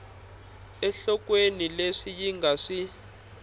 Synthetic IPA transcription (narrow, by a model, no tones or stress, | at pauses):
ɛɬɔkwenileʂijiŋɡʱaʂi